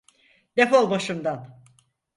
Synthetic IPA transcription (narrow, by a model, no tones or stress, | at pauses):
d̪̥efolˠbaʃɯmd̪an